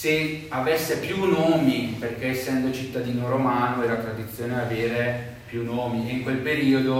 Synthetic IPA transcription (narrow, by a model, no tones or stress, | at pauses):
se | avesːepjunoːmiperk̟eesːɛnd̪ot͡ʃit̪ːad̪iːnoɾomaːnoɛːɾat̪ɾad̪it̪sːjoːneaveːɾe | pjunoːmieiŋkwelpeɾiːod̪o